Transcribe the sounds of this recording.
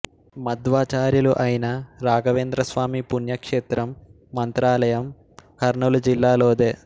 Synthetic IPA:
mɐd̪ʋaːt͡ʃaːɾjuluʔɐjinɐɾaːɡɐʋeːnd̪ɾɐsʋaːmipunjɐkʂeːt̪ɾɐmː | ɐnt̪ɾaːlɐjɐm | kɐɾɳulud͡ʒilːaːloːd̪eː

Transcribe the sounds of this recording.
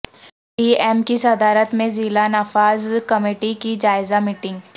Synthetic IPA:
ʈiːɛːmkisɐd̪aːɾət̪mẽziːlanaːfaːzkɐmeːʈikid͡ʒaːɪzamiːʈɪ̃ŋɡ

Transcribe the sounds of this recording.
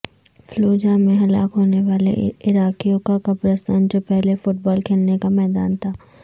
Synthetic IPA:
floːd͡ʒamẽɦɐlaːkɦoːneʋaːlḛɪɾaːkijõkakapɾəst̪ʰaːnd͡ʒopɛɦlefʊʈ̚bɔːlkʰeːlnekamɛːd̪aːnt̪ʰaː

